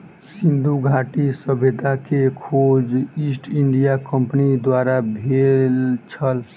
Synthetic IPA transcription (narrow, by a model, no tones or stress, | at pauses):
sind̪ʱuɡʱaʈisəbʱed̪akekʰod͡ʒisʈiɳɖijakəmpnid̪waɾabʱelt͡ʃʰəl